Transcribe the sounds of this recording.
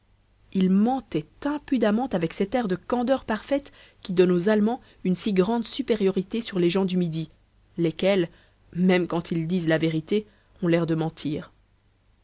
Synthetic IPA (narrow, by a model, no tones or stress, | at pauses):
ilmɑ̃t̪ɛt̪ɛ̃pyd̪amɑ̃t̪avɛksɛt̪ɛʁd̪əkɑ̃d̪œʁpaʁfɛt̪ | kʲid̪ɔnozalmɑ̃ | ynsiɡʁɑ̃d̪sypeʁjɔʁit̪esyʁleʒɑ̃d̪ymid̪i | lekʲɛl | mɛmkɑ̃t̪ʰild̪izlaveʁit̪e | ɔ̃lɛʁd̪əmɑ̃t̪ʰiːʁ